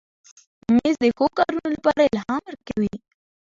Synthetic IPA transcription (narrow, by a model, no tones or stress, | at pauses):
mezd̪əxokɑɾunolapɑɾaɪlɦɑməɾkawi